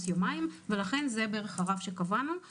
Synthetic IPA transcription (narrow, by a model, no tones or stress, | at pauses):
sjomaimve̞laχe̞nze̞beeʁeχhaʁafʃe̞kavanu